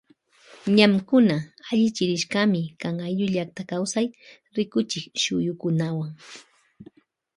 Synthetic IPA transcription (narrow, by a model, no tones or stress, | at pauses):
ɲamkʊnaaʎɪt͡ʃɪɾɪʃkamɪkaŋajʎʊʎakt̪akawsaj | ɾɪkʊt͡ʃɪkʃʊjʊkʊnawaŋ